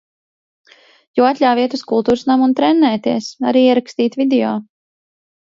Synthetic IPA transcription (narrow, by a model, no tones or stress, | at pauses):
juːat̪ʲlʲawviɛt̪uskulˠt̪uːɾsnamunt̪ɾɛnːɛːt̪iɛsa̰ɾiːiɛɾakst̪iːt̪vʲid̪eɔː